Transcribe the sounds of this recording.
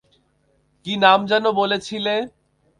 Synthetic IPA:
kinamd͡ʑanobolet͡ɕʰile

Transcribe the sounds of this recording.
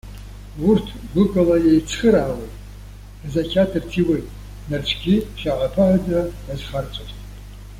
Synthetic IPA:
urtʰɡʷɨkʼalajejt͡sʰχəɾaːwejtʼ | zakʲʰatʰɨrtʰiwejtʼ | nart͡ʃʷʰɡʲiʃaʕʷapʰaʕadaazχart͡sʷʼoztʼ

